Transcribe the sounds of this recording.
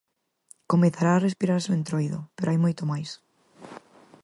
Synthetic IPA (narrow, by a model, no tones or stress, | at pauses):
komeθaɾaːrespiɾaɾsoẽnt̪ɾojðʊ̰peɾoajmojt̪omajs